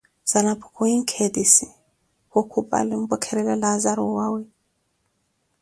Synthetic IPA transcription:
z̥alapʰkʰuiŋkʰedisi | hokʰupʼa̰lim̩bɔkʰɛɾɛlɛlazaɾuwawɛ

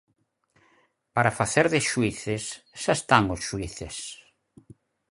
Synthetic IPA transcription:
paɾafaθeɾðɪʃuiθesʃaest̪aŋosʃuiθes

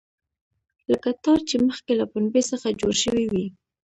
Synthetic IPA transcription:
ləkat̪ɑɾt͡ʃeməxkelapʊnbesəxad͡ʒoɾʃəwiwi

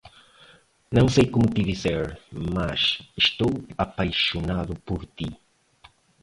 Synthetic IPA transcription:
nɐ̃w̃sejkomʊt̪iðizeɾmaʃiʃt̪owapajʃonaðʊpoɾt̪i

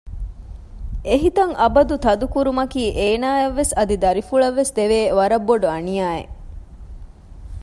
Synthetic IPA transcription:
ʔeɦit̪ɐŋʔɐbɐd̪ut̪ɐd̪ukuɾumɐkiːʔeːnaːeʋːesɐd̪id̪ɐɾifuɭɐʋːesd̪eʋeːʋɐɾɐbːoɖuɐnijaːḛ

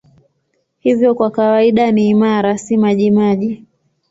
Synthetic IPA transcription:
hivjɔkwakawaiɗaniːmaɾasimaʄimaʄi

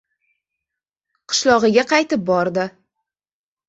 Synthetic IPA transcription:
qʰɨ̥ʃlɒʁɨɡʲaqʰɑjt̪ɪp̚bɒɾd̪ɪ

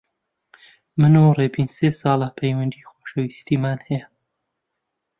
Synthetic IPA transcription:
mɨnureːbiːnseːsɑːlˠapʰɐjwɐnd̪iːxoːʃɐwist̪iːmaːnhɛjɛ

